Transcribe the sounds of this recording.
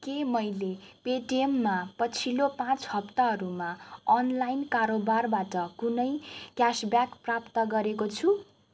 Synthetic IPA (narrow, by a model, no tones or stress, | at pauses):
kemʌjlepeʈiemːapʌt͡sʰilopãt͡shʌpt̪aɦʌɾumaʌnlajnkaɾobarbaʈʌkunʌjkjasbjakprapt̪ʌɡʌɾekot͡sʰu